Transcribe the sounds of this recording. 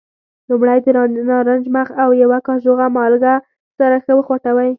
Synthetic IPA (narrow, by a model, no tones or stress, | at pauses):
lumɽajd̪əɾnɑɾand͡ʒmaxawjawakɑʒoɣamɑlɡa | saɾaxəwəxwaʈawaj